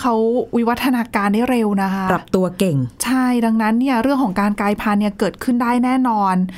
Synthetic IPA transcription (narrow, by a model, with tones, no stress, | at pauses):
kʰa˦˥wwi˦˥wa˦˥t̪ʰːa˧naː˧kaː˧ndaː˥˩jɾe˧wna˦˥kʰa˦˥ɾa˨˩p̚t̪u˧ɐke˨˩ŋt͡ɕʰa˥˩jda˧ŋna˦˥nːi˥˩ɐɾɯ˥˩əŋkʰɔː˩˦ŋkaː˧nkaː˧jpʰa˧nːi˥˩kɤː˨˩t̪̚kʰɯ˥˩ndaː˥˩jnɛː˥˩nɔː˧n